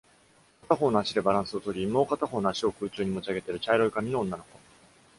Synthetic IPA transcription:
kat̪aɦo̞ːnoaɕid̪e̞baɾãɰ̃sɨo̞t̪o̞ɾʲimːoːkat̪aɦo̞ːnoaɕio̞kɯ̟ːt͡ɕɨːɲ̟imo̞t͡ɕiaɡe̞t̪eɾɯ̟t͡ɕaiɾo̞ikamʲinõːnːano̞ko̞

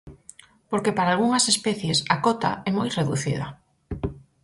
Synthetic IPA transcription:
poɾkepaɾaːlɣuŋɐsespɛθjesakɔt̪a̰ɛmojreðuθḭðɐ̰

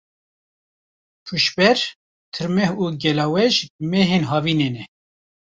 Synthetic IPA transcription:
pʰuʃbɛɾ | t̪ʰɨɾmɛhuːɡɛlɑːwɛʒmɛɦeːnɦɑːviːneːnɛ

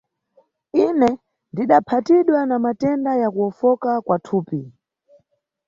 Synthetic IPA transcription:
inɛ | ndiɗapʰatiɗwanamatɛndajakuɔfɔkakwatʰuːpi

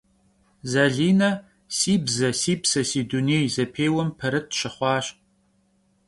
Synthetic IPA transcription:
zɐɮiːnɐ | siːbzɐsiːbsɐsiːduneːjzɐpʰeːwɐmpʰɐɾɨt̚ʰɕɪχʷɑːɕ

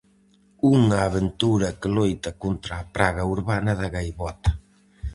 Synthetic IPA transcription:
uŋaːβent̪uɾɐkəlojt̪akont̪ɾaːpɾaɣauɾβanaðaɣajβɔt̪ḁ

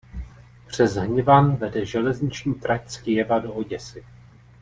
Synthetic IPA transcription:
pr̝̥ɛzɦɲɪvanvɛdɛʒɛlɛzɲɪt͡ʃɲiːt̪ɾʔacskɪjɛvado̞oɟɛsɪ

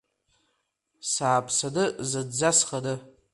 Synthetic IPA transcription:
saːpʰsadɨzɨdd͡zasχadɨ

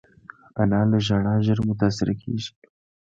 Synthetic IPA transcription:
anɑləʒaɽɑʒəɾmʊt̪asɪɾakʰḛʒi̥

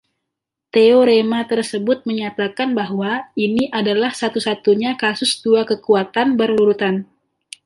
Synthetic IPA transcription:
t̪eoɾemat̪ərsəbʊt̪̚məɲat̪akanbaɦwainiʔadalahsat̪usat̪uɲakasʊsduakəkuat̪anbərluɾut̪an

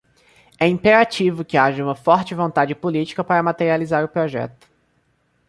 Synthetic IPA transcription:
ɛĩmpeɾat͡ʃivʊkɪaʒɐũmɐfɔɾt͡ʃɪvõnt̪ad͡ʒɪpolit͡ʃi̥kɐpaɾɐmat̪eɾializaɾʊpɾɔʒɛ̰t̪ʊ̥

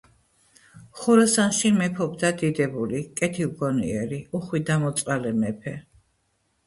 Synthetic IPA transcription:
χuɾɔsanʃimɛpʰɔbd̪ad̪id̪ɛbulikʼɛt̪ʰilɡɔnḭɛɾiuχwid̪amɔt̪sʼqalɛmɛpʰɛ

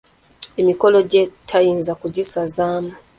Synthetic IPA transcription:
emikoloɟetʰajiːnzakuɟisazaːmu

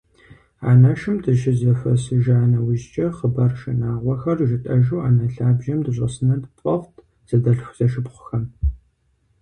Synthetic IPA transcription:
a̰ːnɐʃɨmdɨʃɪzɐfɐsɨʒaːnɐwɪʑt͡ʃʼɐχəbɐrʃɪnaːʁʷɔxɐrʒɪtʼɐʒuːaːnɐɬaːbʒɐmdɨɕʷʼɐ̰sɨnɐdɨpʼɐʁʷtʰ | z̥ɐdɐɬfʷz̥ɐʃɨpχʷʊ̥xɐm

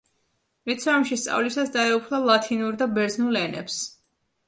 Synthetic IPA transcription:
ɾit̪sʰɔmʃist̪sʼa̰vlisasd̪aɛupʰlˠalˠat̪ʰinuɾd̪abɛɾznulɛnɛ̰ps

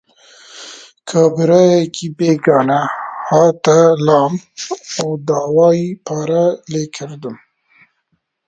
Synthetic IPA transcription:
kʰabɾɑjekʰibeːɡɑːnahɑːt̪alɑːmawd̪ɑːwɑːjipʰɑːɾalekʰəɾd̪əm

